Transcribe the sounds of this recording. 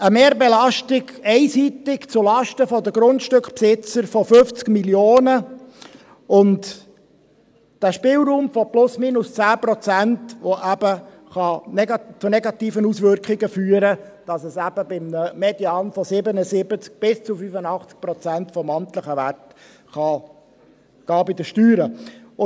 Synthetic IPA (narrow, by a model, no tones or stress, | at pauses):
əmeːɾbelɑʃtɪɡɛɪsit̪ɪkt͡sʊlɑʃtəfɔd̪əɡɾʊntʃtʏkχpsɪt͡səɾfɔføft͡skmiljoːnə | ʊnt | d̥æːʃpɪːlˠɾuːmfɔplʊsmiːnʊst͡sæːpɾɔt͡sæntʋoʔæb̥ə | χɑnɛt͡sʊnɛɡɑt̪iːfənusʋʏɾkχɪɡəfyːəɾəd̥ɑsəsæb̥əbɪmnəmɛdjɑnfɔsɪbənəsɪbət͡sk̚b̥ɪst͡sufyfənɑχt͡sk̚pɾɔt͡sæntfɔmɑntləχəʋært | χɑ | ɡ̥ɑːbɪd̪əʃtyːɾə